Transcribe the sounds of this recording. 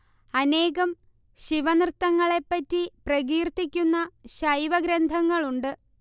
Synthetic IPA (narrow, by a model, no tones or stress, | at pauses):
ɐne̞ːɣɐm | ɕiʋɐnrɨt̪ːɐŋːɐɭe̞pːɐtːiprɐɣiːrt̪ːikʲːunːɐɕɐjʋɐɡɾɐnd̪ʱɐŋːɐɭuɳɖɨ